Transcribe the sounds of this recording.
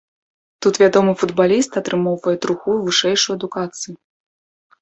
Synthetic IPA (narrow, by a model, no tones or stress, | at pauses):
t̪ut̪vʲad̪ɔmɨfud̪balʲist̪ɐt̪ɾɨmɔwvɐjɛt̪ɾuxuvɨʂɛjʂujɐd̪ukat̪sɨju